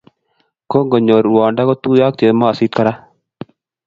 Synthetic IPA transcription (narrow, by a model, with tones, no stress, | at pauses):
ko˦ŋɡɔ˨ɲɔː˨ɾuwaː˨ɳɖa˦kɔ˦t̪u˦jaː˦k̚t̪e˨ma˦a˨siː˦t̪̚kɐ˦ɾa˦